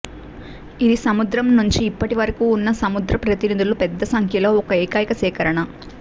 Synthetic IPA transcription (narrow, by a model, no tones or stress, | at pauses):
id̪isɐmud̪ɾɐmnuɲt͡ʃiːpːɐʈiʋɐɾɐkuːunːɐsɐmud̪ɾɐpɾɐt̪inid̪ulupɛd̪ːɐsɐŋkʰjɐlo̞ːɔkɐeːkaːjikɐsɛːkɐɾɐɳɐ